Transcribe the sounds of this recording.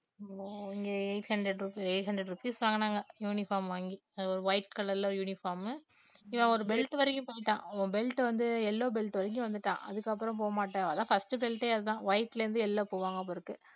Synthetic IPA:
oɪŋɡeːeɪʈhɐɳɖɾɛɖɾuieɪʈɦɐɳdɾɛɽɾʊpiːsʋaːŋɡɐnaːŋɡɐjuːnɪfaːɾmʋaːŋɡiɐɔɾɯʋɐɪʈkɐlɐɾɪlɐɔɾɯjuːnɪfaːɾmɪʋãɔɾɯbɛlʈɯʋɐɾɪkʲːʊ̃poːɪʈːãːõːbɛlʈʋɐnd̪ɯɛlːoːbɛlʈːɯʋɐɾɪk̬ːʊ̃ʋɐnd̪ɯʈːãːʔɐ̰ðɯkːɐpːɯɾɐ̃mp̬oːɐmaːʈːãɐðãːfɐsʈɯbɛlʈeːɐðɯt̪ãːʋɐɪʈːlɐɾɯnd̪ɯɛlːoːpoːʋaːŋɡɐp̬ːoːɪɾɯkːɯ

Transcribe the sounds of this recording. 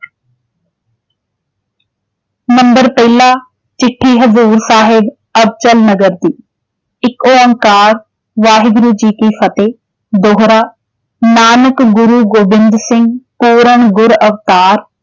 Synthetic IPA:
nɐ̃mbəɾpɐilaː | t͡ɕɪʈʰːiːɦɐzuːɾsaːɦɪb | ɐb̚t͡ɕəlnɐɡəɾd̪iː | ɪkoːɐ̃ŋkaːɾ | ʋaːɦɪd̪ɾuːd͡ʑiːkiːfɐt̪eː | d̪oːɦɾaː | naːnəkɡʊɾuːɡoːbɪ̃nd̪sɪ̃ŋɡpuːɾəɽ̃ɡʊɾɐft̪aːɾ

